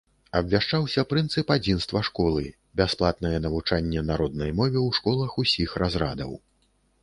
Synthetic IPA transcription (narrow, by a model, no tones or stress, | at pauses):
ɐbvʲaʂt͡ʂawsʲɐpɾɨnt̪sɨpad͡zʲinst̪vɐʂkɔlˠɨ | bʲasplˠat̪̚nɐjɛnɐvut͡ʂanʲːɛnaɾɔd̪̚nɐjmɔvʲɛwʂkɔlˠɐxusʲixrʔazrad̪ɐ̰w